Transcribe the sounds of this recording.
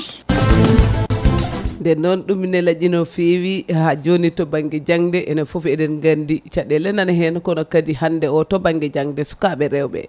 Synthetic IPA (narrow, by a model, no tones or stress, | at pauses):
ndɛnɔnɗumːinɛlad͡ʒinɔfiwihad͡ʒonitɔbaŋɡɛd͡ʒaŋdɛʔɛnafufɛdɛɾŋɡandit͡ʃaɗɛlɛnanɦɛnɔkɔnɔkadihandɛɔtɔbaŋɡɛd͡ʒaŋdɛsu̥kaɓɛɾɛwɓɛ̰